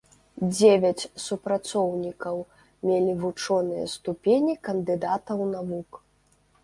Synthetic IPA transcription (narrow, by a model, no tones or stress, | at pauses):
d͡zʲevʲɐt͡sʲsupɾat̪sɔwnʲikɐw | mʲelʲivut͡ʂɔnɨjɐ̰st̪upʲenʲikɐnd̪ɨd̪at̪ɐwnavuk